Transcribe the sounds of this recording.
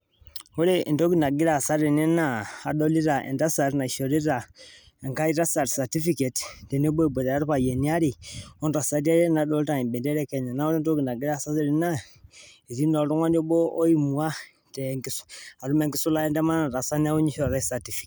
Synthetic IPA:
o˦ɾe˦˨do˦ɡi˨na˨ɡi˦ɾa˨sa˦ɾe˨ne˦na˦˨a˨do˦li˦ɾa˨ʔḛ˨nda˦sa˨ɾna˨ʃo˨ɾi˦ɾa˨ | e˨ŋka˦i˦ɾa˦sa˨ɾsa˨ti˦fi˦ke˨tte˨ne˦bo˦˨bo˨da˨a˦ɾu˦pa˨je˨ni˦a˦ɾi˨o˦nɾa˨sa˨˦di˦e˦ɾe˦na˨do˦li˦ɾa˨i˨bɛ˨nde˦ɾe˦ke˨ne˨na˦wo˦ɾe˦n˦do˦ɡi˨na˨ɡi˦ɾa˦˨sa˦se˦ɾi˦na˦ | i˨ti˦no˨ɾu˦ŋʷa˦no˦bo˦ʔo˦ji˦mu˨a˦ | te˨ŋki˦a˨ɾu˦me˦˨ŋɡi˦su˦la˦ɛ˦nde˦ma˦na˨ɾa˨sa˦n˦a˦wu˦ɲi˦ʃo˨ɾa˦i˦sa˨ti˨fi̥˨k

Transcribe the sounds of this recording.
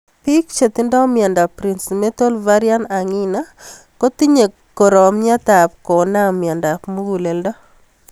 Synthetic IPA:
pi˦kt͡ʃe˨t̪i˦ndɔ˦mɪa˨nda˨pɾi˨nsme˦to˦lva˦ɾja˦na˨ŋɪ˦na˦ | ko˦t̪i˦ɲe˨ | kːo˨ɾɔ˨mɲa˦t̪a˨p̚kɔ˨na˦mɪ˨a˨nda˨pmu˦ɡu˨le˨ldɔ˦

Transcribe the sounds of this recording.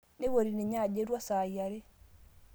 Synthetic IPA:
ne˦wo˨ɾi˨ne˨ɲa˦˨d͡ʒe˦ɾwa˦sa˨ja˨ɾe˦

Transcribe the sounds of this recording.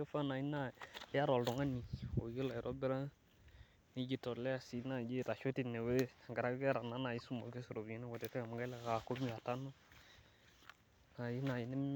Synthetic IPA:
e˦fa˦na˨i˦na˦˨˦a˦ɾɔ˨ldɔ˨ŋa˦ni˨o̰˨ji˦la˨i˨ɾɔ˦bɪ˦ɾa˦ | ni˦d͡ʒi˦tɔ˨lɛ˦a˦˨si˨˦na˨d͡ʒe˦˨ta˨ʃo˦ti˦ne˨we˦˨ɡa˨ɾa˨˦ɡa˦ɾa˨na˨˦na˨ji˦su˦mo˨ɡe˦su˨ɾo˨bi˦nɛ˦ɡɔ˨tɛ˨tɛ˦ŋa˨m˨˦ɡa˦lɛ˦˨ka˨ko˦mi˦a˨ta˦no˦ | na˨ji˦na˨ji˨˦nɛ˦

